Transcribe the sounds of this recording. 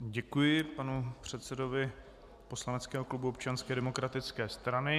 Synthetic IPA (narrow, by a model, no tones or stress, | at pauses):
ɟɛkujɪpanupr̝̥ɛt̪sɛdo̞vɪ | po̞slanɛt͡skɛːɦo̞klubuopt͡ʃanskɛːdɛmo̞kɾat̪ɪt͡skɛːst̪ɾanɪ